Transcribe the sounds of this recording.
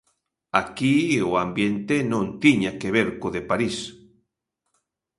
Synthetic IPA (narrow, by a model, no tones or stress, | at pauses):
akioambjent̪enõnt̪iɲakeβeɾkoðepaɾis